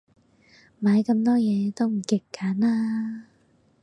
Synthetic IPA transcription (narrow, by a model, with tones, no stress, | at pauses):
maː˨˧˥jkɐ˧mt̪ɔː˥jɛː˨˧t̪o˥wm̩˨˩kɪ˨˧˩kːaː˨˥naː˧˥